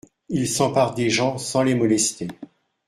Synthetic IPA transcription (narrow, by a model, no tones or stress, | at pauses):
ilsɑ̃paʁd̪eʒɑ̃sɑ̃lemɔlɛst̪e